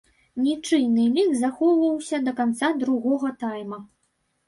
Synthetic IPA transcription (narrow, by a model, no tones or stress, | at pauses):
nʲit͡ʂɨjnɨmʲikzaxɔvɐwsʲɐd̪ɐkant̪sad̪ɾuɣɔɣɐt̪ajmɐ